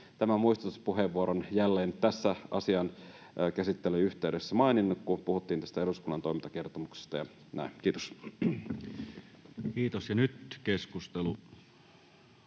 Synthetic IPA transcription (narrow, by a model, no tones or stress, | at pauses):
t̪æmæmuist̪ut̪uspuɦeʋːuoɾonjælːeːnt̪æsːæʔɑ̰siɑnː | kæsit̪ːelyyçt̪eydesːæmɑininːukkupuhut̪ːiːnt̪æst̪æe̞ɾuskulːɑnt̪o̞mint̪ɑk̟e̞rt̪omukse̥st̪ɑjɑ | nʔæ̰ink̟iːt̪o̥s | kiːt̪osjɑnyt̪keskust̪elu